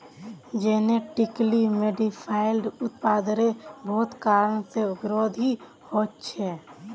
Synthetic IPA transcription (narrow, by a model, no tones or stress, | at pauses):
d͡ʒeneʈiklimeɖipʰaɪlɖʊt̪pad̪ɾebʱoːt̪kaɾəɳsebɾod̪ʱi | hot̪t͡ʃʰɛ